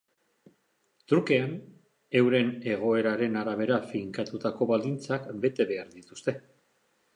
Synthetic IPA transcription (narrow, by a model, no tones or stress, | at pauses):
t̪uɾkean | e̞wɾe̞ne̞ɣ̞o̞e̞ɾaɾe̞naɾaβ̞e̞ɾafiŋkat̪ut̪ako̞βald̪int͡sakbe̞t̪e̞βe̞aɾðit̪u̥st̪e̞